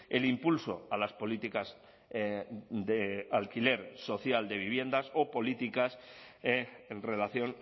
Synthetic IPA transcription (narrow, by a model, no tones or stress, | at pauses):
e̞limpulso̞̰alaspo̞lit̪ikaz | d̪ealkile̞ɾso̞θjald̪e̞β̞iβje̞nd̪aso̞po̞lit̪ikas | enre̞laθjo̞n